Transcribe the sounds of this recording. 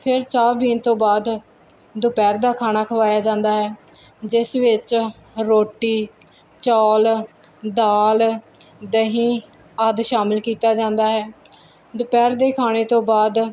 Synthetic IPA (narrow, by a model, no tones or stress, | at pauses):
pʰɪɾt͡ʃaːbiːnt̪õːbaːd̪ | d̪ʊpɛːɾd̪aːkʰaːnaːkʰəʋaːjaːd͡ʒãːnd̪aːɦɛː | d͡ʒɪsʋɪt͡ʃ | ɾoːʈiː | t͡ʃɔːl | d̪aːl | d̪əɦĩː | əd̪ʃaːmɪlkiːt̪aːd͡ʒãːnd̪aːɦɛː | d̪ʊpɛːɾd̪eːkʰaːɽ̃eːt̪õːbaːd̪